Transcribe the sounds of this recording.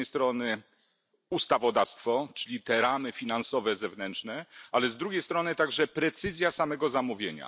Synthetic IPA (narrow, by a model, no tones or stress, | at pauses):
nɛjst̪ɾɔnɘ | ust̪avɔd̪afst̪fɔt͡ʂɘlʲit̪ɛɾamɘfʲinansɔvɛzɛvnɛntʂnɛalɛzd̪ɾuɡʲejst̪ɾɔnɘt̪aɡʐɛpɾɛt̪sɘzʲjasamɛɡɔzamuvʲjeɲa̰